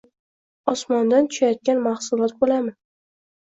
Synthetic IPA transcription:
ɒsmɒnd̪ant̪ʰʊ̥ʃajɒt̪̚kʲanmahsʊlˠɒt̪̚bolamɪ

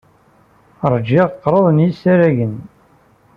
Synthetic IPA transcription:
ɾˤd͡ʒɪʁqːɾˤəðˤnjisæɾæʝən

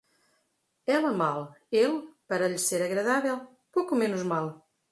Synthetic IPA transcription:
ɛlˠɐmalˠelˠpɐɾɐʎseɾɐɣɾɐðavɛlˠ | pokumenuzmalˠ

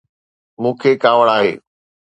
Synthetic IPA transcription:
mũːkʰekaːʋəɽ̃aːɦḛː

